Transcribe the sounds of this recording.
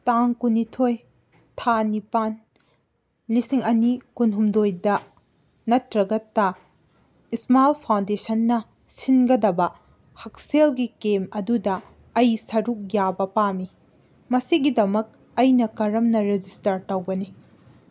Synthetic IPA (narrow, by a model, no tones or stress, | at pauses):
taŋkunitʰoj | tʰanipan | lisiŋɐnikunɦumdojdɐ | nɐtɾɐɡɐtːa | ismalpʰawndesɐnːɐ | sinɡɐdɐbɐ | hɐk̚selɡikemɐdudɐː | jsɐɾuk̚jabɐpami | mɐsiɡidɐmɐk̚ | ɐjnɐkɐɾɐmnɐɾed͡ʒistɐɾtɐwɡɐni